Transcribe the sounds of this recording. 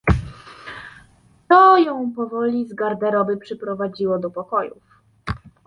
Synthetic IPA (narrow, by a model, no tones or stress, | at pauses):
t̪ɔjɔ̃w̃pɔvɔlʲizɡaɾd̪ɛɾɔbɘpʂɛpɾɔvad͡ʑiwɔd̪ɔpɔkɔjṵf